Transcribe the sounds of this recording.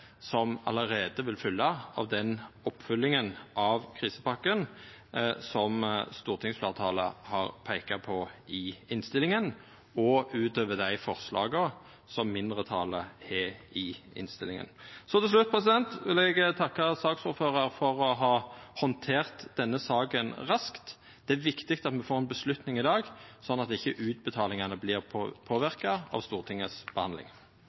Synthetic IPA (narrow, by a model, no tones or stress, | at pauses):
sɔmɑ̰ləʁeːd̪əʋɪlfʏlːɑɑ̰ʋd̪ɛnɔpːfʉlːɪŋənʔɑʋkʰʁiːsəpɑkːən | sɔmst̪uːʁt̪ʰɪŋsfleːʁt̪ʰɑːlə̰hɑʁpʰæɪkɑpʰɔɪɪnst̪ɪlɪŋən | ɔʉːt̪øːʋəd̪æɪfɔʁslɑ̰ːɡə | sɔmːɪnd̪ʁət̪ʰɑːləɛɪɪ̰nst̪ɪlɪŋə̰nsɔt̪ɛlslʉt̪̚ːpʰʁɛsɪd̪ɛnt̪ʋɪlɛɡt̪ʰɑkːɑsɑːksuːɾføːʁəɾfɔʁɔɦɑhɔnt̪ʰeːʁt̪d̪̥ɛnːəsɑːkənʁɑskt̪ | d̪̥ɛæʋɪkt̪ɪkt̪ɑt̪mɛfoːʁɛnbəslʉt̪nɪŋɪd̪ɑːɡsɔnːɑt̪ɪçːəʔʉːt̪bət̪ʰɑːlɪŋɑnəblɪːʁpʰoːʋɪʁkɑɑ̰ʋst̪uːʁt̪ʰɪŋːəsb̥əhɑnd̪lɪ̰ŋ